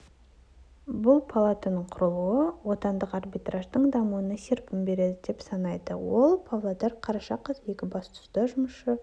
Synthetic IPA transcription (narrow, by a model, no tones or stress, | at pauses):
bʊlˠpʰalˠat̪anəɴqʰʊɾəlˠuəwo̞t̪ɑnd̪əqɑrbit̪raʒd̪əɴd̪ɑmuənɑsʲeɾpɪmbe̞ɾe̞d̪ɪd̪e̞psɑnɑjd̪ə̰wo̞lˠpʰavlˠad̪ɑɾqʰɑɾɑʃɑqəzje̞kʲɪbɑst̪ʊ̥st̪ɑʒʊməʃə